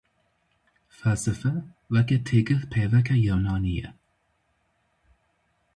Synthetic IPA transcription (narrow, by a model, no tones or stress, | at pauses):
fasəfə | vəkətʰɪɡəðpʰɛvəkajonaniːə̰